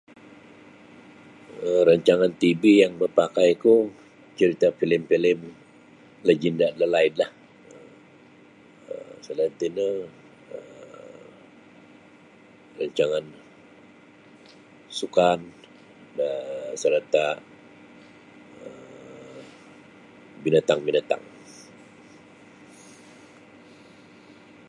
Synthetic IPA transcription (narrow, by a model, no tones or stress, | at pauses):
əɾaɲt͡ʃaŋant̪ibijaŋməpakajku | t͡ʃəɾit̪afilɪmpilɪm | ləd͡ʒindaʔləlaɪnlah | ə | ə̰sələnt̪inə | ə | rəɲt͡ʃaŋan | sukan | əsəɾat̪a | ə | binat̪aŋbinat̪a̰ŋ